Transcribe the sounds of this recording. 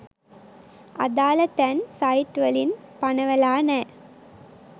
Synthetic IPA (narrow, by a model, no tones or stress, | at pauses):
ɐ̰d̪aːlɐt̪ɐnsɐjʈʋɐlinpɐɳɐʋɐlaːnɐ